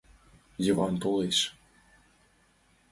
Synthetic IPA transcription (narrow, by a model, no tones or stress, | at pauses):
jevɑnt̪olˠeʃ